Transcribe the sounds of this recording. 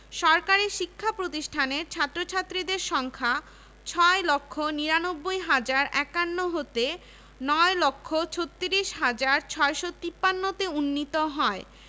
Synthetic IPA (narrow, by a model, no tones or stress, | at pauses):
ʃɔɾkaɾiʃikʰːapɾot̪iʃʈʰaneɾt͡ɕʰat̪ːɾot͡ɕʰat̪ːɾid̪eɾʃɔŋkʰa | t͡ɕʰɔelokʰːoniɾanobːojɦad͡ʑaɾʔɛkanːoɦot̪e | nɔelokʰːot͡ɕʰot̪ːiɾiʃɦad͡ʑaɾt͡ɕʰɔeʃot̪ipːanːot̪eunːit̪oɦɔe